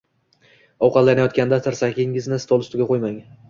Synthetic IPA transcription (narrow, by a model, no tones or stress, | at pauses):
ɒwqʰɑllːanajɒt̪kʲand̪asʰɪɾsakʲɪŋɪznɪst̪ɒlˠɪst̪ʰʊɡʲaqʰojmaŋ